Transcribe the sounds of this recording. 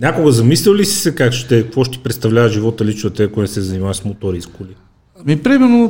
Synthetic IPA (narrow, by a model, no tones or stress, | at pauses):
nʲakʊɡəzɐmislilisi̥sɛkakʃt̪ɛkəkvɔʃt̪i̥pɾɛt̪st̪ɐvlʲavəʒivɔt̪əlit͡ʃnɐt̪ɛkonsɛzɐnimaəsmot̪oɾiskoli | amipɾimɛɾno